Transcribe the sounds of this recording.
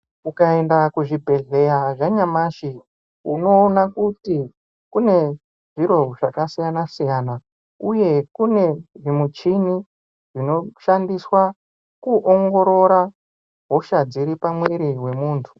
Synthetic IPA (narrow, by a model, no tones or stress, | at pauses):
kukae̞ndakuʐibʱe̞ɮe̞jaʐaɲamaʃi | uno̞ːnakuti | kune̞ | ʐiɾo̞ʐakasijanasijana | uje̞kune̞ʐimut͡ʃini | ʐ̥ino̞ʃandiswa | kuʔoŋɡo̞ɾo̞ɾa | ɦoʃad͡ziɾipamwe̞ɾiwe̞muːntʰu̥